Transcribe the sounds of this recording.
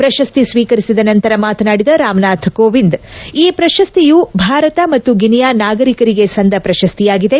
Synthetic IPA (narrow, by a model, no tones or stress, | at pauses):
pɾɐʃɐst̪isʋiːkɐɾisid̪ɐnɐnt̪ɐɾɐmaːt̪ɐnaːɽid̪ɐɾaːmnaːt̪ʰkoːʋind̪iːpɾɐʃɐst̪ijubʱaːɾɐt̪ɐmɐt̪ːuɡinjaːnaːɡɐɾikɐɾiɡe̞sɐnd̪ɐpɾɐʃɐst̪ijaːɡid̪e̞